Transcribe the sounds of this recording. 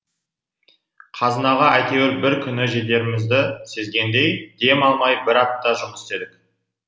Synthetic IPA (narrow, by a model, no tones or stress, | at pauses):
qʰɑzənɑʁɑæjt̪e̞weɾbɪɾkʲʰʏnɪʒe̞d̪e̞ɾɪmɪzd̪ɪse̞zɡʲe̞nd̪e̞jd̪e̞mɑlˠmɑjbɪɾɑp̚t̪ːɑʒʊməsɪ̥t̪e̞d̪ɪkʲ